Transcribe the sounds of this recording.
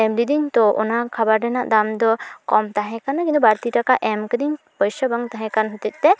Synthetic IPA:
ɛmlid̪int̪ɔʔɔ̰nakʰabaɾɖɛna̰ʔd̪amd̪ɔkɔmt̪aɦɛ̃kanakint̪ubaɾt̪iʈakaʔɛmkəd̪in | pɔjsabaŋt̪aɦɛ̃kanɦɔt̪it̪̚ˀt̪ɛ

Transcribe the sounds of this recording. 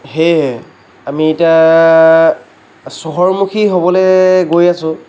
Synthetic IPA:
ɦeɦ | amiːta | sɔɦɔɹmukʰiɦobɔleɡojasʊ̃

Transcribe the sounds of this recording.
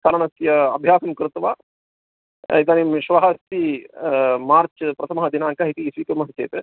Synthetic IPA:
kɐlɐɳɐsjɐɐbʱjaːsɐmkɾut̪ʋaː | id̪aːnimʃʋɐɦɐst̪i | maːɾt͡ʃpɾɐt̪ʰɐmɐɦɐd̪inaːŋkɐɦit̪iːsʋiːkɐɾmɐɦɐt͡ʃḛːt̪ɾe

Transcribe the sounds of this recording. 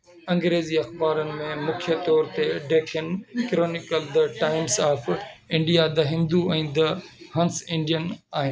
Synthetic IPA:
ɐ̃ŋɡɾeːziɐxbaːɾənɪ̆mẽmʊkʰjət̪ɔːɾt̪eɖeːkʰənkɾoːnɪkəld̪ɐʈaːɪmsaːfɪ̃ɳɖijad̪ɐɦɪ̃nd̪uɛ̃ːd̪ɐhɐ̃nsɪ̃ɳɖijənaːɦɪnɪ

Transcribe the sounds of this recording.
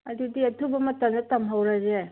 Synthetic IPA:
ɐdudiɐtʰubɐmɐtɐmdɐtɐmɦawɾaze

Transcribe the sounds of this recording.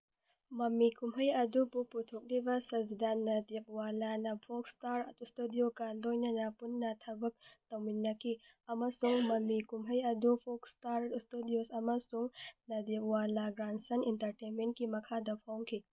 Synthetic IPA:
mɐmikumɦɐjɐdubuputʰok̚libɐsɐzidanːɐdik̚walanɐpʰokstaɾtstudiokɐlojnɐnɐpunːɐtʰɐbɐk̚tɐwminːɐkʰi | ɐmɐsuŋmɐmikumɦɐjɐdupʰokstaɾtstudiosɐmɐsuŋnɐdip̚walaɡɾansɐnintɐɾtenment̚kimɐkʰadɐpʰawŋkʰi

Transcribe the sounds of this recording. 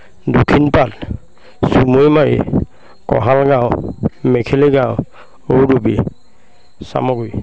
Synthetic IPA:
dokʰinpat̚ | sumojmaɹḭ | kɔ̰ɦalɡawmɛkʰeliɡaʊ | owdubi | sa̰mɔɡuj

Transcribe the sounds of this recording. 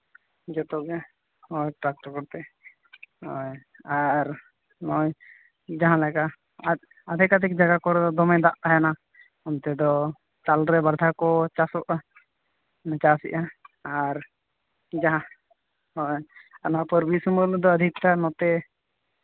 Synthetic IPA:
d͡ʒɔt̪ɔɡɛ | hɔjʈɾak̚ʈɔɾkɔɾt̪ɛ | ɔj | aɾ | nɔj | d͡ʒaɦãlɛka | ad̪ʱɛkad̪ɛk̚d͡ʒaɡakɔɾɛd̪ɔd̪ɔmɛ̃d̪aʔt̪aɦɛna | ɔnt̪ɛd̪ɔ | t͡ʃalɾɛbaɾd̪ʱakɔt͡ʃasɔʔa | nɛt͡ʃasḭʔaaɾ | d͡ʒaɦã | hɔjanapəɾbisuməɾnd̪ɔəd̪ʱik̚t̪anɔt̪ɛ

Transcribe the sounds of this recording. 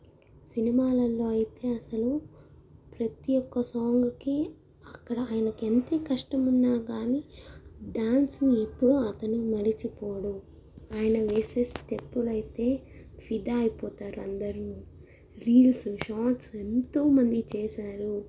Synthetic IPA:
sinimaːlɐlːo̞ːɐjit̪e̞ːɐsɐlu | pɾɐt̪ijɔkːɐsoːŋɡuki | ɐkːɐɽɐaːjɐnɐkent̪eːkɐʂʈɐmunːaːɡaːniːɖaːnsniepːuɽuɐt̪ɐnumɐɾit͡ʃipɔːɽu | aːjɐnɐʋeːseːstepːulɐjit̪e̞ː | pʰid̪aːjipɔːt̪aːɾuɐnd̪ɐɾimu | ɾiːlsuʃaːʈse̞nt̪oːmɐnd̪it͡ʃɛːʃaːɾu

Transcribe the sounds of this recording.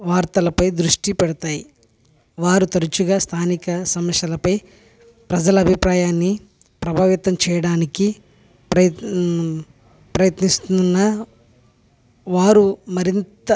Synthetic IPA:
ʋaːɾt̪ɐlɐpɐjd̪ɾuʂʈipɛɽɐt̪aːji | ʋaːɾut̪ɐɾut͡ʃuɡaːst̪ʰaːnikɐsɐmɐʃjɐlɐpɐj | pɾɐd͡ʒɐlɐːbʱipɾaːjaːnːi | pɾɐbʱaːʋit̪ɐmt͡ʃɛːjɐɽaːniki | pɐ | pɾɐjɐt̪nist̪nːɐ | ʋaːɾumɐɾint̪ɐ

